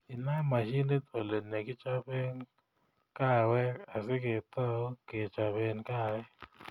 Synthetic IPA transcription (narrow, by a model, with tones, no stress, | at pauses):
ɪ˨na˦ma˨ʃi˦ni˦t̪o˨le˨ne˨kɪ˦t͡ʃa˦be˦n | ka˦˨wɛ˦a˨sɪ˦ke˨t̪ɔ˦ke˨t͡ʃa˨βe˦nka˦wɛ˦